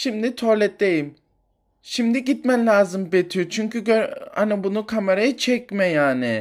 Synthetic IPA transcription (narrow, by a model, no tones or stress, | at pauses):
ʃimd̪it̪ʰolʲɛt̪̚d̪ejim | ʃimd̪iɟit̪mɛnlʲaːzɯmbet̪ʰyjot͡ʃʰyɲcyɡøɾa̰nabunukʰameɾajɯt͡ʃʰɛc̚mɛjaːnɪ